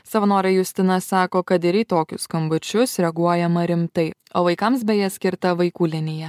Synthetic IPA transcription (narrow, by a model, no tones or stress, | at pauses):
sɐʋɐnoːɾʲɛjʊsʲt̪ʲɪnɐsɑːkoːkɐt̪ɪɾiːt̪oːkʲʊskɐmbʊt͡ʃʲʊsɾʲɛɡuɔjɛmɐɾʲɪmt̪ɐɪ | oːʋɐɪkɐms̬bʲɛjɛsʲkʲɪɾt̪ɐʋɐɪkuːlʲɪnʲɪjɛ